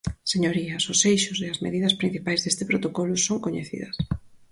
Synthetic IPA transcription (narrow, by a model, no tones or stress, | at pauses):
seɲoɾiɐsʊsejʃʊseɐzmḛðiðɐspɾin̟θipajzðest̪ɪpɾot̪okɔlʊsoŋkoɲḛθḭðɐs